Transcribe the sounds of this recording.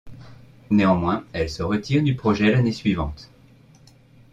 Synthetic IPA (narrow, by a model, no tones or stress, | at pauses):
neɑ̃mwɛ̃ɛlsəʁət̪iʁd̪ypχɔʒɛlanesɥivɑ̰̃t̪